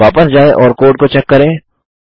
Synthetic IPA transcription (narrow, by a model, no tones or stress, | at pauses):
aːpəsd͡ʒaːeʔɔːɾkoːɖ̚kot͡ʃɛkːəɾẽː